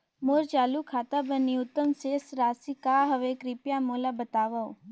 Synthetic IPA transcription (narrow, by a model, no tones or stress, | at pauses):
moɾt͡ʃaːlukʰat̪abənːiʊt̪ːəmsesɾasikaɦəʋekɾipjamolabət̪aʋao